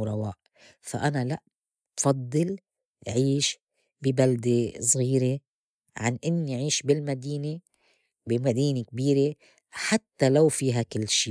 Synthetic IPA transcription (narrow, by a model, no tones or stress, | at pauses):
ɾˤɑwaːʔ | fa̰ʔanalaʔ | bfɑd̪ˤːɨl | ʕiːʃ | bɪbald̪esˤɣiːɾe | ʕa̰nʔɪnːiʕiːʃbɪlmad̪iːne | bɪmad̪iːnek̚biːɾe | ħat̪ːalawfiːɦakɪlːʃiː